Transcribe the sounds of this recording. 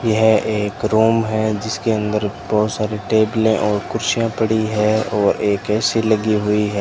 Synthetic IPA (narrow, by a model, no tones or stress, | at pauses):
jɐɦeːkɾuːmɦɛd͡ʒɪskeə̃nd̪əɾb̥ɔɦʊt̪saːɾeʈeːblẽʔɔːɾkʊɾʃijãpəɽiɦɛɔːɾeːkːsiləɡiɦʊiɦɛː